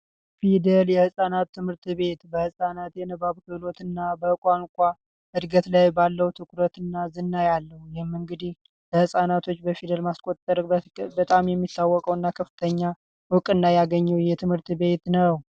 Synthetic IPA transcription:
fid̪əljɛhɨsʼanat̪ːɨmhɨɾt̪βe̞t̪bəhɨsʼanat̪jɛnəβaβkɨlo̞t̪ɨnːabəkʷʼaŋkʷʼa | ʔɨd̪ɡət̪lajbalːəwut̪ʰɨkʼʰɾət̪ɨnːazɨnːajalːəhujɛmːɨŋɡɨd̪ih | ləhɨsʼanat̪ʰo̞t͡ʃːbəfid̪əlmaskʼo̞t̪ʼːəɾbət̪ʼamjɛmːisawːɔkʼəwɨnːakʰəfːɨt̪ʰəɲːa | wʊkʼɨnːajaɡəɲːɛwjɛt̪ʰɨmhɨɾt̪be̞t̪nəw

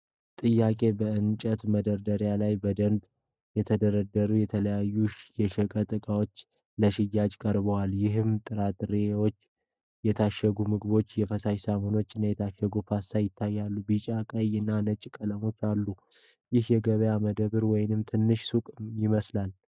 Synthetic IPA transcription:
t̪ʼɨjːakʼe̞bəɨnt͡ʃʼət̪məd̪əɾd̪əɾjalajbəd̪ənd̪ | jɛt̪ʰəd̪əɾəd̪əɾujɛt̪ʰələjajːuʃjɛʃɛkʼət̪ʼɨkʼawo̞t͡ʃː | ləʃɪjːad͡ʒkʼəɾbəwaljɪɦɨmt̪ʼɨɾat̪ɾewot͡ʃː | jɛt̪ʰaʃəɡumɨɡbo̞t͡ʃːjɛfəsajsamono̞t͡ʃːɨnːajɛt̪ʰaʃːəɡupʰasajɪt̪ʰːajːalːubit͡ʃʼakʼəjɨnːanət͡ʃʼkʼələmo̞t͡ʃːalːu | jɪhjɛɡəβəjaməd̪əβɨɾwɔjɪnɨmt̪ʰɨnːɨʃsukʼmjɪməslal

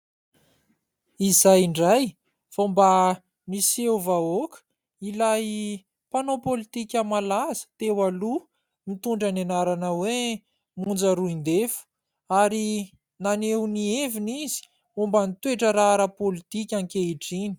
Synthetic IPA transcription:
izajɳɖ͡ʐaj | fomba | niseuvaokə̥ | ilaj | panopolit̪ikʲəmalazə̥t̪ewalu | mit̪uɳɖ͡ʐanenaɾanəwe | mund͡zaɾuind̪efu̥ | aɾi | nanewnievinizi̥ | umbənit̪weʈ͡ʂəɾaaɾapolit̪ikʲaŋkeiʈ͡ʂini̥

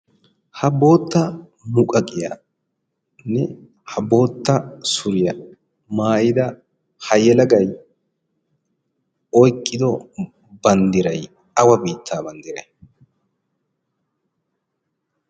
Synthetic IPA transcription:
hɐbo̞ːt̪ːɐ | mʊkʼɐkʼɪjɐ | nːɛ | hɐbo̞ːt̪ːɐsʊɾɪjɐ | maːʔɪd̪ɐ | hɐjɛlɐɡɐj | ɔjkʼːɪd̪ɔ | bɐnd̪ɪɾɐj | ɐwɐbiːt̪ʰːaːbɐnd̪ɪɾɐj

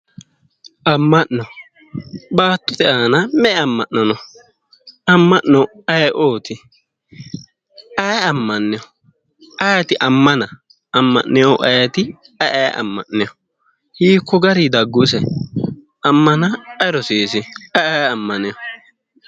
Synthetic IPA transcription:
ʔɐmːɐʔnɔ | baːt̪ːɔt̪ɛʔaːnɐmɛɐmːɐʔnɐnɔ | ɐmːɐʔnɔɐjʔoːt̪ɪ | ɐjɐmːɐnːɛjɔ | ɐjɐt̪ɪʔɐmːɐnɐ | ɐmːɐ̰ʔnɛjoʔɐjɐt̪ɪ | ɐʔɐj̰ʔɐ̰mːɐ̰ʔnɛjɔ | hiːkːɔɡɐɾid̪ɐɡːus̬ɛ | ɐmːɐnɐɐɾɔsiːsɪɐjjɐmːɐnɛjɔ

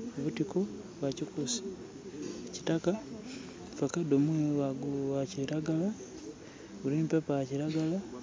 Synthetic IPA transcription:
βutiko | βwacikusi̥ | ecitaka | fakadomweβaɡuaciɾaɡala | βuɾiːmpepaaciɾaɡala

